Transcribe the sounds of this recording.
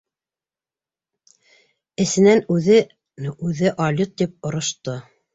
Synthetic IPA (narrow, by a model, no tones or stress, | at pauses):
ɘ̆sɘ̆nænʉðɘ | nʔʉðɘʔɑlʲut̪̚d̪ip̚ŏɾŏʃt̪o